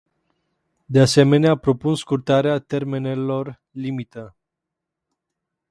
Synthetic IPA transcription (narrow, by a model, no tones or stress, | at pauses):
d̪ease̞me̞neapɾo̞punskurt̪aɾeat̪e̞rme̞ne̞lo̞r | limit̪ə